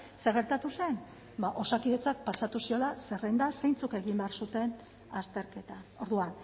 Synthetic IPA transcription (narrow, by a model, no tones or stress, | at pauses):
se̞ɣ̞e̞ɾt̪at̪use̞n | baʔo̞sakiðe̞t͡sak̚pasat̪usio̞lase̞rend̪ase̞jnt͡suke̞ɣimbe̞aɾsut̪e̞n | ast̪e̞ɾke̞t̪ao̞ɾðuan